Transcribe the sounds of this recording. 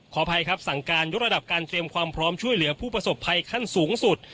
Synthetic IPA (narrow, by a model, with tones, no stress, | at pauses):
kʰɔː˩˦pʰa˧jkʰɾa˦˥p̚sa˨˩ŋkaː˧njo˦˥t̪̚ɾa˧da˨˩p̚kaː˧nt̪ɾi˧əmkʰwaː˧mpʰɾɔː˦˥mt͡ɕʰu˥˩əjlɯ˩˦ɐpʰuː˥˩pɾa˧so˨˩pʰːa˧jkʰa˥˩nsuː˩˦ŋsu˨˩t̪̚